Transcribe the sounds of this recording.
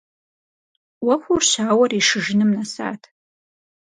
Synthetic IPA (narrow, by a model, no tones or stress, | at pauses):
wɐxʷurɕaːwɐriʂɨʒɪnɨmnɐsa̰ːtʰ